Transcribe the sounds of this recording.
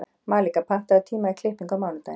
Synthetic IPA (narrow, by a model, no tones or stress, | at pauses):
maːlikapʰaht̪aat̪ʰiːmaikʰlɪhpiŋkawmaːwnat̪a̰j